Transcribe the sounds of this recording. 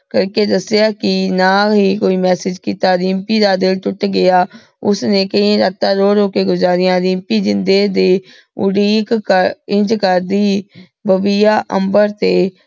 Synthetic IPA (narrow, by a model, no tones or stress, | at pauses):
kəɾked̪əsjakinaɦikoːimɛːsɪd͡ʒkiːt̪aɾɪmpiːɾaːd̪eːlt̪ʊʈɡɪjaː | ʊsnekəĩɾaːt̪aɾoːɾoːkeɡʊzaːɾɪjãːɾɪ̃mpid͡ʒɪ̃nd̪ed̪e | ʊ̰ɽiːkəɪ̃d͡ʒkəɾd̪iː | bəbijaːʔə̰̃mbəɾt̪eː